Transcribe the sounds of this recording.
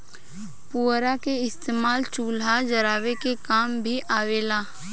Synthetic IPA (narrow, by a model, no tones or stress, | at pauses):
puːɾakeɪst̪eːmaːlt͡ʃuːlɦad͡ʒɐɾaːʋekekaːmbʱiʔʔaːʋeːlaː